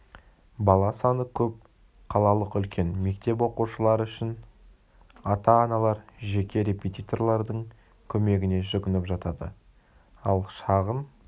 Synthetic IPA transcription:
bɑlˠɑsɑnəkʲʰɵp̚ | qʰɑlˠɑlˠəqʏlkʲʰe̞nme̞k̚t̪e̞p̬wo̞quʃəlˠɑɾəʏʃɪn | ɑt̪ɑːnɑlˠɑɾʒe̞kʲe̞ɾe̞pʲet̪ʲijt̪o̞rlˠɑɾd̪əɴ | kʲʰɵme̞ɡʲɪne̞ʒʏɡʲɪnɪpʒɑt̪ɑd̪ə̰ | ɑlˠʃɑʁən

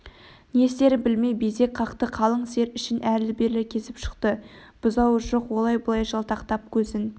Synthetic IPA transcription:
nest̪e̞ɾɪbɪlme̞jbeze̞k̚qʰɑqt̪əqʰɑlˠəɴse̞ɾʏʃɪnʔæɾlɪbe̞ɾlɪkʲʰe̞sɪpʃə̥qt̪əb̥ʊzɑwəʒo̞qwo̞lˠɑjbʊlˠɑjʒɑlˠt̪ɑqt̪ɑp̚kʲʰɵzɪn

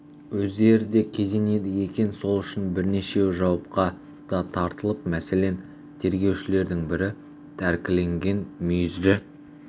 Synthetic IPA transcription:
wɵzd̪e̞ɾɪd̪e̞kʲʰe̞ze̞ne̞d̪ɪje̞kʲe̞nso̞lˠʏʃɪnbɪɾne̞ʃe̞ʒɑwɑp̚qɑ | d̪̥ɑt̪ʰɑɾt̪əlˠəpmæse̞le̞n | t̪ʰe̞ɾɡʲe̞wʃɪle̞ɾd̪ɪŋbɪɾɪ | t̪ʰæɾkʲɪle̞ŋɡʲe̞nmʏjɪzd̪ɪ

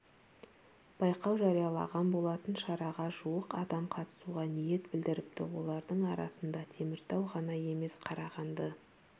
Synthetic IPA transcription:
b̥ɑjqɑwʒɑɾijɑlˠɑ̰ʁɑnbo̞lˠɑt̪ənʃɑɾɑʁɑʒuwəqɑd̪ɑmqʰɑt̪ə̥suʁɑnije̞t̪bɪld̪ɪɾɪp̚t̪ɪ̰wo̞lˠɑɾd̪əɴɑɾɑ̰sənd̪ɑt̪ʰe̞mɪɾt̪ɑwʁɑnɑje̞me̞sqʰɑɾɑʁɑnd̪ə

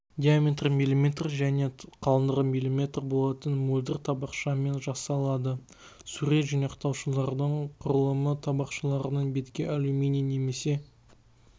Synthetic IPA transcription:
d̪ʲijamʲet̪rmilʲimet̪rʒæne̞qʰɑlˠənd̪əʁəmilʲimʲe̞t̪rbo̞lˠɑt̪ənmulʲd̪ɪrt̪ʰɑbɑqʃɑme̞nʒɑsɑlˠɑd̪ə | suɾe̞t̪ʒinɑqt̪ɑwʃəlˠɑɾd̪əɴqʰʊɾəlˠəmət̪ʰɑbɑqʃəlˠɑɾənəɴbe̞t̪kʲe̞ʔæluminijne̞me̞se̞

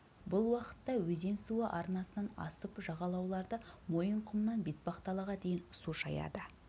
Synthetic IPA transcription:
bʊlˠwɑqə̥t̪ːɑwɵze̞nsuəʔɑɾnɑsənɑnɑ̰səpʒɑʁɑlˠɑwlˠɑɾd̪əmo̞jəɴqʰʊmnɑnbet̪̚bɑqt̪ɑlˠɑʁɑd̪e̞jɪnsuʃɑjɑ̰d̪ə

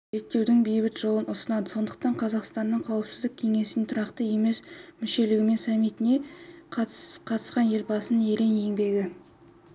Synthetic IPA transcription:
ʒe̞t̪ːe̞wd̪ɪŋbejbɪt̪ʒ̥o̞lˠənʊsənɑd̪əso̞nd̪əq̚t̪ɑɴqʰɑzɑqst̪ɑnːəɴqʰɑwəpsɪzd̪ɪk̚ʲkʲʰe̞ŋe̞sɪnet̪ʰʊɾɑqt̪əje̞me̞smɪʃe̞lɪɡʲɪme̞nsɑmːijt̪ɪne̞qʰqʰɑt̪ə̥sqɑnje̞lbɑsənəe̞ɾe̞ne̞ŋbe̞ɡʲɪ

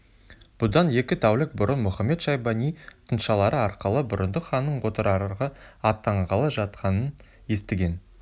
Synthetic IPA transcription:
b̥ʊd̪ɑnje̞kʲɪt̪ʰæwlɪk̚bʊɾənmʊχɑme̞t̪ʃɑjbɑnijt̪ʰənʃɑlˠɑɾəɑɾqəlˠəbʊɾənd̪əχɑnːəɴʰot̪əɾɑɾɾʁɑɑt̪ːɑɴʁɑlˠəʒɑt̪̚qʰɑnən | je̞st̪ɪɡʲe̞n

